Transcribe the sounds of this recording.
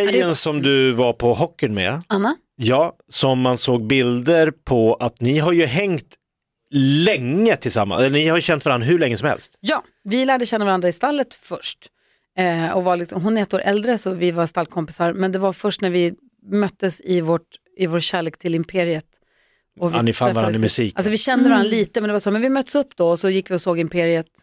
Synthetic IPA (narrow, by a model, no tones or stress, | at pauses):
ɛjənsɔmd̪ɵvaɾpʰɔɦɔkːənmɛ̰anːa | jɑːsɔmːansoːɡ̚bɪld̪əɾpʰɔat̪nɪɦaɾjɵɦɛŋt̪ | lɛŋːət̪ʰɪlsa̰mːa̰ɛlːənɪhaɾjɵɕɛnt̪vaɾanɾaɦɵɭɛŋːəsɔmhɛ̰lst̪jɑː | vɪlæːɖəɕɛnːavaɾand̪ɾaɪst̪alːət̪fœʂʈː | ɔvaɭɪksɔmɦʊnɛɾɛt̪ːoːɾʔɛld̪ɾəsɔvɪvaɾst̪alkʰɔmpɪ̥saɾmɛnd̪ɛvaɾfœʂʈnæɾvɪ | mœt̪ːəsɪvoːʈ | ɪvoːɾɕæːɭeːkt̪ʰɪlɪmpʰeːɾɪət̪ | ɔvɪɪfaɾɛvɾamʉsiːkals̬ɔvɪɕɛnd̪əɛvaɾanliːt̪əmɛnd̪ɛvasamɛnvɪmœt̪ːəsɵpːd̪ɔɔsɔjɪkːvɪɔsoːɡɪmpʰeːɾɪət̪